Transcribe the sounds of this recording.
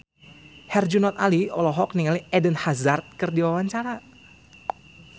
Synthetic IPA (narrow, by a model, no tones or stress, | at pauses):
hɛrd͡ʒunɔt̪aliɔlɔɦɔk̚niŋaliɛdənhazart̪̚kərdiwawaɲt͡ʃaɾa